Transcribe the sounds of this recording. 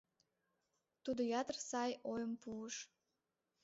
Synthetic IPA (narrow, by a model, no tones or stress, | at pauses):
t̪ud̪ojɑt̪ərsɑjojəmpuəʃ